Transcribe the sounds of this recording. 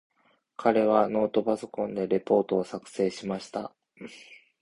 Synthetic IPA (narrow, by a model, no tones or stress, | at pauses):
kʰaɾe̞β̞ano̞ːt̪o̞baso̞kõ̞nd̪e̞ɾe̞po̞ːt̪o̞ːsakɯ̟̥se̞ːɕimaɕi̥t̪a̰